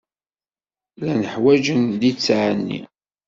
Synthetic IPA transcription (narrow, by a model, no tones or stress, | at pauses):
lænəħwæd͡ʒənd̪it͡sːʕənːḭ